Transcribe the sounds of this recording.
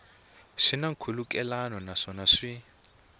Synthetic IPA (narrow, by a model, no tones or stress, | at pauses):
ʂinaŋkʰulukɛlanɔnaʂɔnaʂi